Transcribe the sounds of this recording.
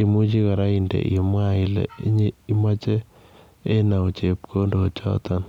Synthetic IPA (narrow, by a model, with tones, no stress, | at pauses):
i˨mu˦t͡ʃi˦ka˨ɾa˦indḛ˨ʔimwa˦ilḛ˨i˦ɲi˦ma˦t͡ʃe˦ | e˦na˨o˨t͡ʃe˨p̚kʰo˦ndo˨t͡ʃɔ̰˦t̪ɔn